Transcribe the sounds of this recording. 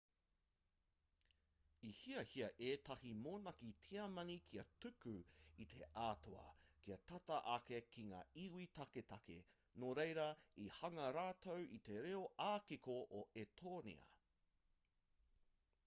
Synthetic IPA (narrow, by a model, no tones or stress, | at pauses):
ihiɐhiɐʔeːtɐhimoːnɐkitʰiɐmɐŋikʰiɐtʉkʉit̪ʰeʔaːto̰ɐ̰kiɐt̪ɐtɐʔɐkekʰiŋa̰ːiwitɐketɐkḛ | noːɾejɾɐihɐŋɐɾaːt̪ʰowʔit̪e̞ɾeoaːkikoʔoʔetʰoːnḭɐ̰